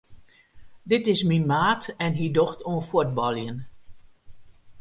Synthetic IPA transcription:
dɪtɪsminmaːtɛnɦidoxtʰoənfut̚bɔlˠjən

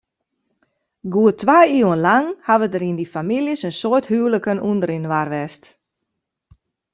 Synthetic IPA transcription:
ɡuətʋajiːwənlaŋhaʋədəɾindifamiljəsənsoəthywləkənundəɾinʋarʋɛst

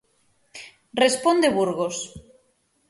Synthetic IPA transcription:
respond̪eβuɾɣos

